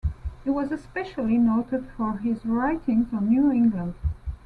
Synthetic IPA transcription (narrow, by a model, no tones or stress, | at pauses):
hiwʌzɨspɛʃəl̩ˠinoʊtɨd̥fə˞ɪzɹaɪtɪ̃ŋzə̃nːjuɪ̃ŋɡlə̃nd̥